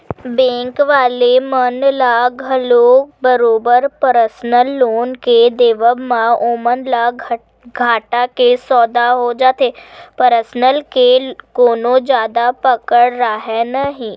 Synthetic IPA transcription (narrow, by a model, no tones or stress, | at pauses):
bɛ̃ːŋkʋaːlemənlaɡʱəloːkbəɾoːbəɾpəɾəsnəlːoːnked̪eːʋəbmãoːmənla | ɡʱaːʈakesɔːd̪aɦod͡ʒaːt̪eːpəɾəsnəlkekoːnõd͡ʒjaːd̪apəkəɽɾaɦɛnəɦĩː